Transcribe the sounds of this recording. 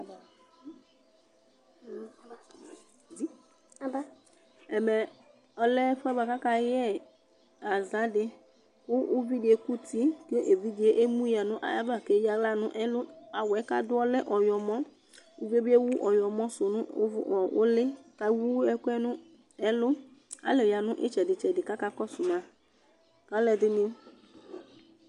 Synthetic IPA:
i˦˨ | ba˦ | ɛ˨mɛ˨ | ɔ˨lɛ˦fɛ˦ba˨ka˦ka˨jɛ˦˨ | a˨za˦dɪ˦ | wʊ˦ʔʊ˦vi˦dɪ˨e˨ku˦ti˦ke˦ʔe˨vi˦dɪ˨e˦ʔe˦mu˦ja˨nʊ̃˦ʔa̰˨ja˦ba˨ke˨˦ja˨la˦nʊ˦ʔɛ˦lʊ˦a˨wɛ˨˦ka˦dʊ˦ɔ˦lɛ˦ʔɔ˨jɔ˨mɔ̃˦ | u˨˦vi˦e˦bɪ˦e˦wu˦ʔɔ˨jɔ˨mɔ̃˦sʊ˨nʊ̃˦vɔ˨ʊ̰˦lɪ˦ka˨˦wu˦ɛ˦kʊ˦ɛ˦nʊ̃˦ | ɛ˦lʊ˦a̰˨˦lɪ˨ja˨nʊ̃˦ʔɪ̰˦t͡ʃɛ˨dɪ˨t͡ʃɛ˨dɪ˨ka˦ka˦kɔ˦sʊ˨ma˨ | ka˨˦lɛ˨dɪ˦nɪ̃˦

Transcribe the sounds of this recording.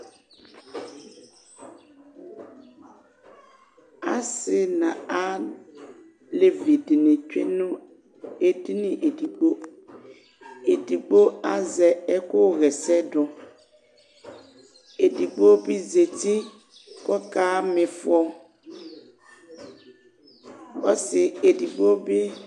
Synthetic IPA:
a˦sɪ˦nã˨a˦ | le˦vi˨dnɪ̃˨t͡ʃᶣḛ˦nʊ̃˦ | e˦di˦nĩ˨ʔe˨di˨k͡po˦ | e˨di˨k͡po˦a˦zɛ˨ɛ˦kʊ˦˨ɣɛ˨sɛ˦dʊ˨ | e˨di˨k͡po˦bi˦ze˨ti˦ | kɔ˦ka˦mɪ̃˨fʊ˦ɔ˦ | ɔ̰˦sɪ˨e˨di˨ɡ͡bo˦bɪ˦

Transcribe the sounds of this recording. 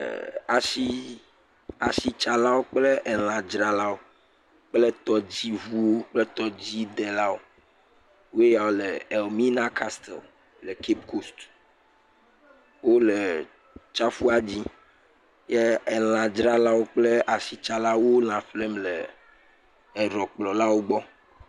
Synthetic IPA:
a˨si˦ | a˨si˦t͡ʃa˨la˦wo˦k͡ple˦ʔɛ˨l̃ã˨d͡ʒɾa˨la˦wo˦ | k͡plɛ˦t̪ɔ˨d͡ʑi˦vu˦wo˦k͡ple˦t̪ɔ˨d͡ʑi˦d̪ɛ˨la˦wo˦ | wo˦e˦ja˨wo˦lɛ˨ɛ˨lmĩ˦nã˦kʰa˦st̪ɛ̰˨l | lɛ˨ke˦pkʰo˦st̪ | wo˦le˨ | t͡ʃa˦fu˦a˦d͡ʑi˦ | jɛ˦ɛ˨l̃ã˨d͡ʒɾa˦la˦wo˦k͡ple˦ʔa˨si˨t͡ʃa˨la˦wo˦l̃ã˨fle˦mlɛ˨ | ɛ˨ɾɔ˨k͡plɔ˨la˦wo˦ɡ͡bɔ˦

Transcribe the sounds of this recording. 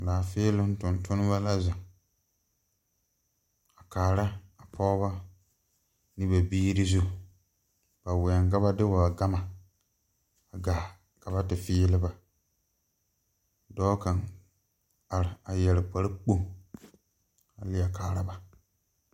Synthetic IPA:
daː˨fɪː˦lʊ˦n˦tʊ˨ntʰʊ˦nɪ˦ba˦la˦zɪ˨ŋ | a˨kaː˨ɾa˦a˨pʰɔ˦ba˦ | nɪ˦ba˨biː˦ɾɪ˦zu˦˨ | b̥a˨wɪ˨a˨ŋka˦ba˦dɪ˦wa˨ɡa˦ma˨ | a˨ɡaː˨ | ka˨βa˦tɪ˨fɪː˦lɪ˦ba˦ | dɔː˦ka˨ŋ | a˨ɾɪ˨a˨jɛ˨lɪ˨k͡pa˨ɾɪ˦k͡po˦ | a˨lɪ˦a˨kaː˨ɾa˦ba˦

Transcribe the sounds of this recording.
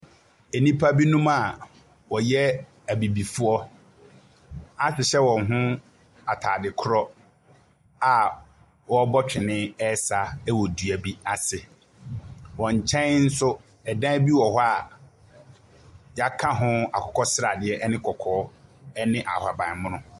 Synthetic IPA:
e˨nĩ˦pʰa˦bi˦nũ˦ma˨ | wɔ˨jɛ˦ | æ˨bi˨bi˨fʊ˦ɔ˦ | a˦ɕᶣɪ˨ɕɛ˦wɔ̃˨nɦʊ̃˦ | a˨tʰaː˨dɪ˨kʰʊ˦ɾɔ˦ | a˨ | wɔ˦bɔ˦t͡ɕᶣɪ˨nɪ̃˦ɛ˦sa˦ɛ˦wɔ˨du˨a˨bi˦a˨sɪ˨ | wɔ̃˨ɲ˨t͡ɕʰɛ̃˦nn̩˦sʊ˦ | ɛ˨dã˦bi˦wɔ˨ɦɔ˦a˨ | ja˨kʰã˦ɦʊ̃˦a˨kʰɔ̥˨kʰɔ˦sɾa˨dɪ˨ɛ˦ʔɛ˦nɪ̃˦kʰɔ˨kʰɔː˦ɛ˦nɪ̃˦ʔa̰˨hwa˨bã˨mʊ̃˦nʊ̃˦

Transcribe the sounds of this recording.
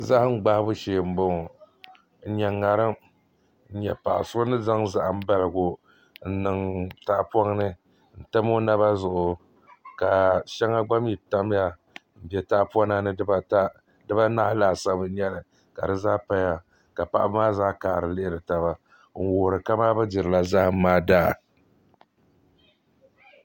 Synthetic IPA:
za˦hŋ͡m̩˦ɡ͡ba˦hbʊ˦ʃeː˨m̩˨˦bo˦ŋ˨ | n̩˦ɲɛ˨ŋːa˨ɾɨ˦m | n̩˦˨ɲɛ̰˨pa˨ʔa̰˨sʊ˦ʊ˦nɨ˦za˦ŋza˨ʔa˨m̩˦ba˦lɨ˨ɡʊ˨ | n̩˦nɨ˨ŋta˦ʔpɔ˦ŋnɨ˦ | n̩˨ta˦mo˦na˦βa˦zʊ˨ʔʊ˨ | ka˨ʃɛ˦ŋa˦ɡ͡ba˦m˦i˨ta˦m˦ja˦ | m̩˨bɛ˨ta˦ʔpa˦na˦nɨ˦ba˦ta˦ | dɨ˦ba˦na˦hlaː˨˦˨sa˦bɨ˨˦ɲɛ˦lɨ˨ | ka̰˨dɨ˦zaː˦pa˦ja˨ | ka˨pa˨ʔa˦bmaː˦zaː˦kaː˨ɾɨ˨lɨ˦ɪ˦˨ɾɨ˨ta˨ba˦ | ŋ̩˨woː˨ɾɨ˨ka˦maː˦bɛ˦dɨ˨ɾɨ˨la˦za˦hmaː˦daː˦˨

